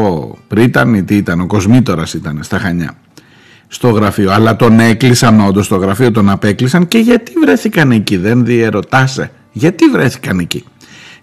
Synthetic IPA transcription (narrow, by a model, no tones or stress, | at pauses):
opɾit̪ɐnit̪iit̪ɐno̞ko̞zmit̪o̞ɾɐsit̪ɐnest̪ɐxɐɲɐ̰ | st̪o̞ɣɾɐfioɐlɐt̪o̞ne̞klisɐno̞nd̪o̞st̪o̞ɣɾɐfio̞t̪o̞nɐpe̞klisɐnce̞ʝɐt̪ivɾe̞θikɐneciðe̞nðie̞ɾo̞t̪ɐse̞̰ | ʝɐt̪ivɾe̞θi̥kɐnecḭ